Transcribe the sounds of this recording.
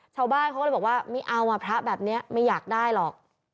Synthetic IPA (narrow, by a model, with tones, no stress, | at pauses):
t͡ɕʰaː˧wbaː˥˩nkʰaː˦˥˧bkwaː˥˩ma˥˩ʔa˧wa˧˩pʰɾa˦˥bɛː˨˩p̚ni˦˥ɐma˥˩jːaː˨˩k̚daː˥˩jlɔː˨˩k̚